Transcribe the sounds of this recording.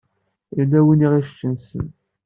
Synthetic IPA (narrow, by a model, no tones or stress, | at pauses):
ilːæwəniʁiʃt͡ʃːənsə̰n